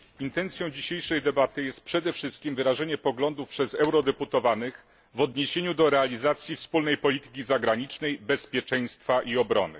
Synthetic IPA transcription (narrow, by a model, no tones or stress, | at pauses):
int̪ɛnt̪sʲjɔ̃w̃d͡ʑiɕejʂɛjd̪ɛbat̪ɘjɛst̪̚pʂɛd̪ɛfʂɘst̪̚kʲimvɘɾaʐɛɲɛpɔɡlɔnd̪ufpʂɛzɛwɾɔd̪ɛput̪ɔvanɘx | vɔd̪ɲeɕeɲud̪ɔɾɛalʲizat̪sʲjifspulnɛjpɔlʲit̪ɘ̥kʲizaɡɾaɲit͡ʂnɛjbɛspʲjɛt͡ʂɛj̃st̪faʔiɔbɾɔ̰nɘ̰